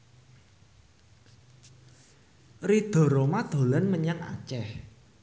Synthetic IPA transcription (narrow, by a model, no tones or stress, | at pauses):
rid̪̥o̤ɾomad̪̥o̤lanməɲaŋa̰t͡ʃɛh